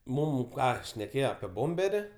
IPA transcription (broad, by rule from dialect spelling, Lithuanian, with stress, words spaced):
ˈmuːm ˈkɑː ʃʲnʲɛˈkʲeːjoː ɐpʲiɛ ˈboːmʲbʲɛrʲɪ